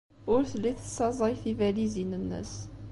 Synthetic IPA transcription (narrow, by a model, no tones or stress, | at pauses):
ʊɾθlːiθəsɑzˤɑjθivælizinənːə̰s